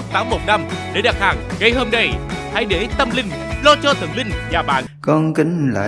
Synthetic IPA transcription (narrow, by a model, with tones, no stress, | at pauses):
t̪aː˨˦mmo˨˩t̚na˧mɗe˨˧˩ɗa˨˩t̚haː˨˩ŋɣə˧jho˧mnaə˧jha˧jɗe˧˦t̪ə˧mlï˧ŋ̟ | lɔ˧t͡ɕɔ˧t̪ʰə̰˨˧˩nlï˧ŋ̟ɲaː˨˩ɓa̰ː˧˨nkɔ˧nki˧˦ŋla̰ː˧˨